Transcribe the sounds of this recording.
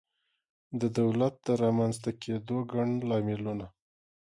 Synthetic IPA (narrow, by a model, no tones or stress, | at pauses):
d̪əd̪awlat̪̚d̪əɾɑmanzt̪akʰed̪oɡaɳlɑmɪluna